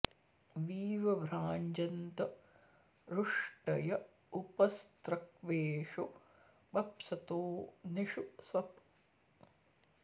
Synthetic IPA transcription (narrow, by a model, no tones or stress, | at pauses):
ʋiːʋɐʋɾaːɲd͡ʒɐnt̪ɐ | ɾuʂʈɐjɐ | upɐst̪ɾɐk̚ʋeːʂu | bɐpsɐt̪oːniʃusɐp